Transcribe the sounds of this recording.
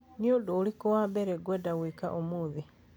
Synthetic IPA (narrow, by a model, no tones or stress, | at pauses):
niodolikowabeɾeɡwedawiːka̰ʔomuːði